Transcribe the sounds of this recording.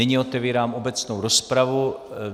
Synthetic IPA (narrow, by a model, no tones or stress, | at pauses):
ɪɲɪot̪ɛviːɾaːmʔobɛt͡snowɾo̞spɾavu